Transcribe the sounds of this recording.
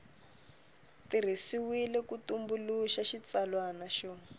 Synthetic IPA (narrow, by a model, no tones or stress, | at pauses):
tir̤isiwilɛkutumbuluʃaʃit͡salwanaʃɔː